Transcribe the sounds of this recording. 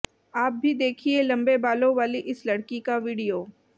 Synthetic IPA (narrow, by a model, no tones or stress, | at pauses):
aːp̚bʱid̪eːkʰielɐ̃mbebaːlõʋaːliʔɪslɐɽkikaʋiːɽijoː